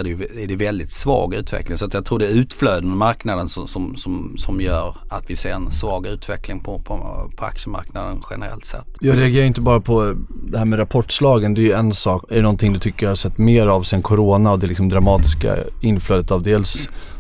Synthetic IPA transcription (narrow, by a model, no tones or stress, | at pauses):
ɖɛjɵɛɖɛvɛld̪ɪt̪svɑ̰ːɡʉ̟ːt̪vɛ̰klɪŋsɔat̪jɑɡt̪ʰɾuːɖɛɾʉ̟ːt̪fløːd̪ənmaɾknad̪ənsɔsɔmsɔmsɔmjœːɾat̪vɪseːɾɛnsvɑːɡʉ̟ːt̪vɛklɪŋpʰɔpʰɔpʰɔa̰kʂəma̰ɾknad̪ənɧɛ̰nəɾɛ̰lt̪sɛ̰t̪ːjɑːɡɾɛaɡeːɾajʏɪnt̪əbɑːɾapʰɔd̪ɛhæːɾmɛɾapʰɔʈːslɑːɡənd̪ɛæjɵɛnsɑːkɛɖɛnɔnt̪ʰɪŋd̪ɵt̪ʰʏkːəɾjhɑʂsɛt̪ːmeːɾavsɛnkʰɔɾoːnaɔd̪ɛlɪks̬ɔmd̪ɾamɑːt̪ɪska̰ɪnːfløːd̪ət̪ɑvd̪eːls